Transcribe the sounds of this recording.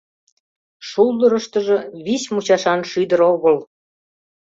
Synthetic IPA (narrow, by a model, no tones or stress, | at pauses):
ʃulˠd̪əɾəʃt̪əʒə̆βisʲmut͡ɕɑʃɑnʃid̪əɾoɣəl